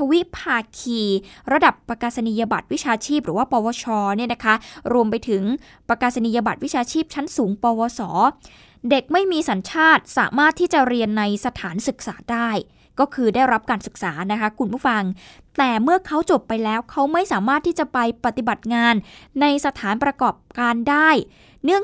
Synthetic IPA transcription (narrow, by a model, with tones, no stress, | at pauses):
tʰa˧wi˦˥ʔpʰaː˧kʰiː˨˩ɾa˧da˨˩pːɾa˧kaː˧sa˧niː˧ja˧ba˨˩t̪̚wi˦˥t͡ɕʰaː˧t͡ɕʰiː˥˩p̚ɾɯː˩˦waː˥˩pɔː˧wɔː˧t͡ɕʰɔː˧ni˥˩əna˦˥kʰa˦˥ɾu˧əmpa˧jt̪ʰɯ˨˩˦ŋ | pɾa˧kaː˧sa˧ni˧ja˧ba˨˩t̪̚wi˦˥t͡ɕʰaː˧t͡ɕʰiː˥˩p̚t͡ɕʰa˦˥nsuː˩˦ŋpɔː˧wɔː˧sɔː˩˦ | de˨˩k̚ma˥˩jmiː˧sa˩˦nt͡ɕʰaː˥˩t̪̚sa̰ː˩˦maː˥˩t̪ʰːiː˥˩t͡ɕa˨˩ɾi˧ənːa˧jsa˧t̪ʰaː˩˦nsɯ˨˩k̚saː˩˦daː˥˩j | kɔː˥˩kʰɯː˧da˥˩jɾa˦˥p̚kaː˧nsɯ˨˩k̚saː˩˦na˦˥kʰa˦˥kʰu˧npʰuː˥˩fa˧ŋ | t̪ɛː˨˩mɯ˥˩ɐkʰa˦˥wt͡ɕo˨˩pːa˧jlɛː˦˥wkʰa˦˥wma˥˩jsaː˩˦maː˥˩t̪ʰːiː˥˩t͡ɕa˨˩pa˧jpɾa˨˩t̪i˨˩ba˨˩t̪̚ŋaː˧nːa˧jsa˧t̪ʰaː˩˦npɾa˧kɔː˨˩p̚kaː˧ndaː˥˩j | nɯ˥˩əŋ